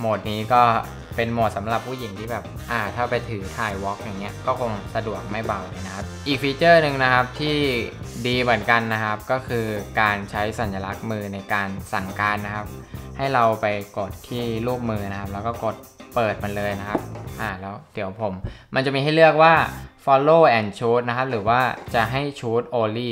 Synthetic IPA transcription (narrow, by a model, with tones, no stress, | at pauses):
moː˨˩t̪̚niː˦˥kɔː˥˩ | pe˧nmo˨˩t̪̚sa˩˦mɾa˨˩pʰːuː˥˩ji˨˩˦ŋt̪ʰiː˥˩bɛː˨˩p̚ʔaː˨˩t̪ʰaː˥˩pa˧jt̪ʰɯː˩˦t̪ʰaː˨˩jwɔ˦˥k̚ja˨˩ŋːi˦˥ɐkɔː˥˩kʰo˧ŋsa˧du˨˩ək̚ma˥˩jba˨˩wlɯː˧˩na˦˥kʰa˦˥p̚ʔiː˨˩k̚fiː˧t͡ɕɤː˥˩nɯ˨˩ŋna˦˥kʰa˦˥p̚t̪ʰiː˥˩diː˧mɯ˩˦ənka˧nːa˦˥kʰa˦˥p̚kɔː˥˩kʰɯː˧kaː˧nt͡ɕʰa˦˥jsa˨˩˦nja˧la˦˥k̚mɯː˧na˧jkaː˧nsa˨˩˦ŋkaː˧nːa˦˥kʰa˦˥p̚ha˥˩jɾa˧wpa˧jko˨˩t̪ʰːiː˥˩luː˥˩p̚mɯː˧na˦˥kʰa˦˥p̚lɛː˦˥wkɔː˥˩ko˨˩t̪̚pɤː˨˩t̪̚ma˧nlɤː˧jna˦˥kʰa˦˥p̚ʔaː˨˩lɛː˦˥wd̥i˩˦əwpʰo˩˦mma˧nt͡ɕa˨˩mi˧ɦa˥˩jlɯ˥˩ək̚waː˥˩fɔ˧lːoː˥˩ʔɛː˧˩nt͡ɕʰuː˦˥t̪̚na˦˥kʰa˦˥p̚ɾɯː˩˦waː˥˩t͡ɕa˨˩ɦa˥˩jt͡ɕʰuː˦˥t̪̚ʔoː˧liː˥˩